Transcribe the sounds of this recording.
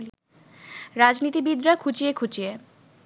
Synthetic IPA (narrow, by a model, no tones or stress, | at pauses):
ɾad͡ʑnit̪ibid̪ɾakʰut͡ɕiekʰut͡ɕie